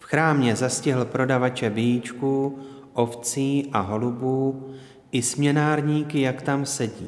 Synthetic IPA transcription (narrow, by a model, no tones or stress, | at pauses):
fxɾaːmɲɛzascɪɦl̩pɾo̞davat͡ʃɛbɪjiːt͡ʃkuː | ʔo̞ft͡siːʔaɦo̞lubuː | ʔɪsmɲɛnaːɾɲiːkɪjakt̪amsɛɟiː